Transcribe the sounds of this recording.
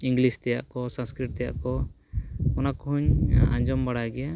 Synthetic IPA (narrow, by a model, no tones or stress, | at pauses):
ĩŋɡlist̪ɛja̰ʔkɔsãnskɾiʈ̚t̪ɛja̰ʔkɔ | ɔnakɔɦuɲã̰ɲd͡ʒɔmbaɽaɡɛja